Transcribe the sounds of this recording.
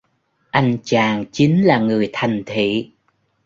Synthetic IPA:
ʔa˧jŋ̟t͡ɕaː˨˩ŋt͡ɕi˨˦ŋ̟laː˨˩ŋɨ˨˩əjt̪ʰa˨˩jŋ̟t̪ʰḭ˧˨

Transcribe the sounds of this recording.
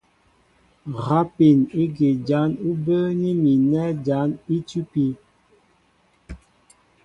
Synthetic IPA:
ɣa˦pi˨ni˦ɡi˨d͡ʒa˨˦nu˦bə˦ni˦mi˨nɛ˦d͡ʒa˨˦ni˦tu˦pi˨

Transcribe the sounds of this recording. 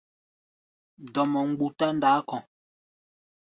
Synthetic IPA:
dɔ˨mɔ˨ŋ̩˨ɡ͡bu˨ta˦n˦daː˨˦kɔ̃˨

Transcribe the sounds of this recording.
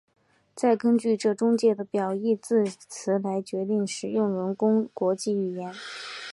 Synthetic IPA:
t͡sa˥˩ɪkə˥nt͡ɕy˥˧ʈ͡ʂɤ˥˩ʈ͡ʂʊ˥ŋt͡ɕjɛ˥˩d̪ə˩pjɑ˨˩ʊi˥˧t͡sɹ̩˥˩t͡sʰɹ̩˧˥la˧˥ɪt͡ɕɥɛ˧˥t̪i˥˩ŋʂɻ̩˨˩jʊ˥˩ŋɻə˧˥nkʊ˥ŋkwɔ˧˥t͡ɕi˥˩y˨˩jɛ˧˥n

